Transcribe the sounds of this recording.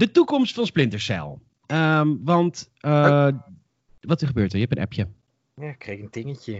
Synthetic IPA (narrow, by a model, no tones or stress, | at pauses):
d̥ətukɔmstfɑnsplɪntəɹsɛ̰lˠ | əmʋɑnt | ə | ʋɑtəɹχəbøːɹtəɹjəɦɛpənʔɛ̰pjə | jakrɛkəntɪŋəcə